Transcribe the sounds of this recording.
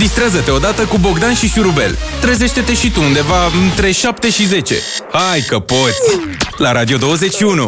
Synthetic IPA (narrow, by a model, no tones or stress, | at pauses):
d̪ist̪ɾazət̪e̞o̞d̪at̪əkubo̞ɡd̪anʃiʃuɾube̞̰lt̪ɾe̞ze̞ʃt̪e̞t̪e̞ʃit̪uund̪e̞vaɨnt̪ɾe̞ʃap̚t̪e̞ʃize̞t͡ʃe̞̰hajkəpo̞t̪sʲlaɾʔad̪io̞d̪o̞wəze̞t͡ʃʲʃiunu